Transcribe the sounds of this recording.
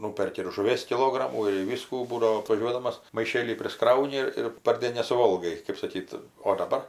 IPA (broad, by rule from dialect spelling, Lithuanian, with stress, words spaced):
ˈnuːpʲɛrʲkʲɪ ɪr ʒʊˈʋʲiɛs kʲɪˈlˠoːɡrɐmuː ɪr ˈʋʲiːskuː ˈbuːdɐʋoː ɐtʋɐˈʒʲuɔdɐmɐs mɐɪˈʃʲeːlʲiː pʲrʲɪsˈkrɐʊnʲɪ ɪr ɪr pɐrʲˈdʲeːn nʲɛsʊˈʋoːlˠɡɐɪ kɜp sɐˈkʲiːt oː dɐˈbɐr